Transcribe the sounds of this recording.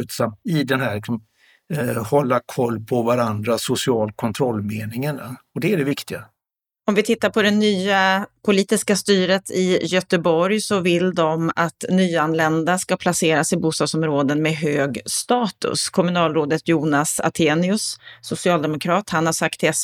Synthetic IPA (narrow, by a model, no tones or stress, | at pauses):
ʉ̟ːt̪samt̪ɪd̪ɛnɦæːɭɪksɔm | hɔlːakʰɔlːpʰɔvaɾand̪ɾasʊsɪɑːlkʰɔnt̪ʰɾɔlːmeːnɪŋəɳɔd̪ɛæɖɛvɪkt̪ɪɡa̰ | ɔmvɪt̪ʰɪt̪ːaɾpʰɔd̪ɛnyːapʰʊliːt̪ɪskast̪yːɾət̪ʰɪjœt̪əbɔɾjsɔvɪld̪ɔmat̪nyːanlɛnd̪askapʰlaseːɾasɪbuːst̪ɑːɡ̪sɔmɾoːd̪ənmɛɦøːɡst̪ɑːt̪ɵ̰skʰɔmɵnɑːlɾoːd̪ət̪juːnasa̰t̪ʰeːnɪɵssʊsɪɑːld̪ɛmʊkʰɾɑːt̪hanhaʂak̚t̪ʰɛs